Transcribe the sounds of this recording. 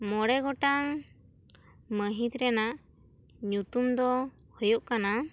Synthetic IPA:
mɔɽɛɡɔʈaŋ | məɦit̪ɾɛnaʔ | ɲut̪umd̪ɔ | hɔjuʔkana

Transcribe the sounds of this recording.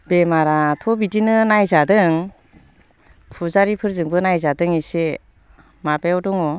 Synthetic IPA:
bemaɾatʰɔbidinɯnajzadɯŋ | pʰuzaɾipʰɯɾzɯŋbɯnajzadɯŋise | mabeɔdɔŋɔ

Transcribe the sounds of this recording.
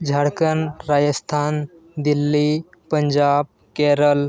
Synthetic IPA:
d͡ʑʱaɽkənɾajəst̪ʰan | d̪ilːi | pəɲd͡ʑab̚ | keɾəl

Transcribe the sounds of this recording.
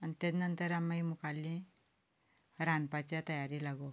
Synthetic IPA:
anit̪ed͡znənt̪əɾamːaimukʰalːĩ | ɾanpat͡ɕjat̪əjaɾilaɡo

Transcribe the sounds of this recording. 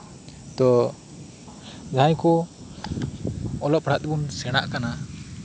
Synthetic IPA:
t̪ɔ | d͡ʒʱajkɔ | ɔlɔp̚ɽ̤at̪̚bunsɛɽ̃a̰ʔkana

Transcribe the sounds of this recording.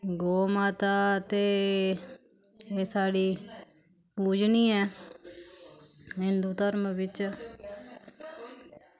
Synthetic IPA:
ɡoːmaːt̪aːt̪eː | eːsaːɽiː | puːd͡ʒniːɛː | ɦɪ̃nd̪uːt̪əɾmbɪt͡ʃ

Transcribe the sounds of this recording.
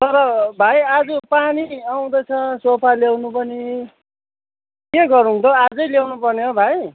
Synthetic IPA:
t̪ʌɾʌbʱajad͡zupaniaw̃d̪ʌjt͡sʰʌsopʰaljawnupʌni | keɡʌɾuũnt̪ʌad͡zʌjljawnupʌrneɦobʱaj

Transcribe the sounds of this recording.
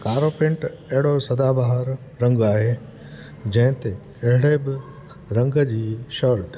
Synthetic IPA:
kaːɾopɪ̃ɳʈɐɦɪɽosɐd̪abaɦəɾː | ɐ̃ŋɡaːɦeː | d͡ʑɐ̃ɦɪ̃t̪ekɐɦɪɽebɪ | ɾɐ̃ŋɡəd͡ʑiːʃəɾʈ

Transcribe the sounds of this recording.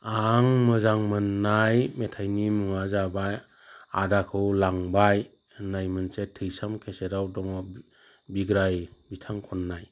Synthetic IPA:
aŋmɯzaŋmɯnːajmetʰajnimɯŋazabaj | a̰dakʰɯwlaŋbaj | najmɯnsetʰɯjsamkʰeseɾawdɔŋɔ | biɡɾajbitʰaŋkʰɔnːaj

